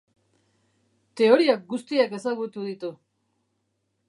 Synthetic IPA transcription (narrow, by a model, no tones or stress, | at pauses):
t̪e̞o̞ɾiak̚ɡust̪iake̞saɣut̪uð̞it̪u